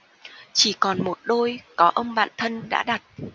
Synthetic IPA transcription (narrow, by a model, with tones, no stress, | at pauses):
t͡ɕi˧˩kɔ˨˩nmo˨˩t̚ɗo˧jkɔ˨˦ʔə˧mɓa̰ː˧˨nt̪ʰə˧nɗa̰ː˧˥ɗa˨˩t̚